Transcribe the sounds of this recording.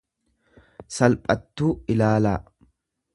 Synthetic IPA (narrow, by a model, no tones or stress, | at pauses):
sɐlpʼɐt̪ːuːɪlaːlaː